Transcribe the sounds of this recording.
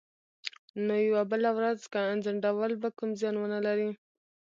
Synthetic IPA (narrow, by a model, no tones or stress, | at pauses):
nojawabəlawɾazkaanzaɳɖawəlbakumzjɑnwənalaɾi